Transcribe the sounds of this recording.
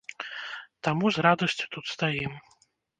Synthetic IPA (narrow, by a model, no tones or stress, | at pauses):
t̪amuzɾad̪ɐsʲt͡sʲu̥t̪ut̪st̪ajim